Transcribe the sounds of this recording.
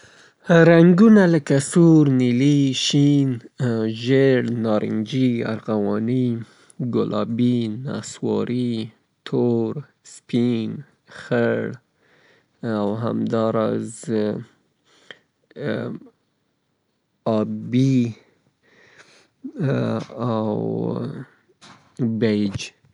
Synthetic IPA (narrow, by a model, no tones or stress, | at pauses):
ɾaŋɡunaləkasuɾniliʃinʒeɽnɑɾʔɪ̰ŋd͡ʒia̰ɾɣawɑni | ɡʊlʔɑbina̰swɑ̰ɾʔi | t̪ʰoɾ | spin | xəɽ | awɦa̰md̪ɑɾɑz | ɑbi | aw | bejd͡ʒ